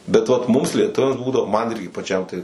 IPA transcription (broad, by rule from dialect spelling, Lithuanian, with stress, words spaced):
bʲɛ ʋɐt ˈmʊms lʲiɛˈtʊʋʲɛms ˈbuːdɐʋoː mɐn ˈɪrʲɡʲɪ pɐˈt͡ʃʲɛm tɐɪ